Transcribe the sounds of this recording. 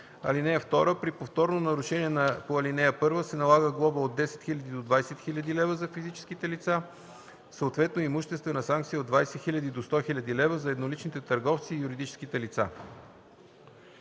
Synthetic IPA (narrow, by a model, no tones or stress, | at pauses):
ɐ̰linɛjəft̪ɔɾəpɾipoft̪ɔɾnonɐɾuʃɛniɛnɐpoɐlinɛjəpɤɾvəsɛnɐlˠaɣəɡlˠɔbəod̪ːɛsɛ̥t̪xilʲəd̪id̪od̪vajsɛt̪xilʲɐd̪ilɛvəzɐfizit͡ʃɛ̥skit̪ɛlit̪sa | səot̪vɛt̪noimuʃt̪ɛst̪vənɐsaŋk̚t̪sijod̪vajsɛxilʲɐd̪id̪ost̪ɔxilʲɐd̪ilɛvəzɐɛd̪nolit͡ʃnit̪ɛt̪əɾɡɔft̪siːjuɾid̪it͡ʃɛ̥sk̟it̪ɛlit̪sa̰